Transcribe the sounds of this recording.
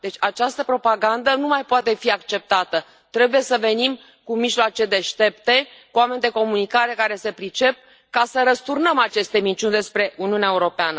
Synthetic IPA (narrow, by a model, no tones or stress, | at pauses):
d̪̥e̞t͡ʃʲat͡ʃast̪əpɾo̞paɡand̪ənumajpoat̪e̞fiakt͡ʃe̞p̚t̪at̪ə | t̪ɾe̞buje̞səve̞nim | kumiʒloat͡ʃe̞d̪e̞ʃt̪e̞pt̪e̞kuame̞nʲid̪e̞ko̞munikaɾe̞kaɾe̞se̞pɾit͡ʃe̞p̚ | kasəɾəst̪urnəmat͡ʃe̞st̪e̞mint͡ʃunʲd̪e̞spɾe̞ʔuniuneaeuɾo̞peanə